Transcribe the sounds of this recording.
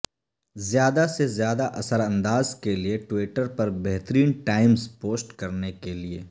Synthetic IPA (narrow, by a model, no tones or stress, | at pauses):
zjaːd̪asezjaːd̪aʔɐsəɾɐ̃nd̪aːzkelieʈwiːʈəɾpɐɾbɛɦt̪əɾiːnʈaːɪmzpoːsʈkɐɾnekelieː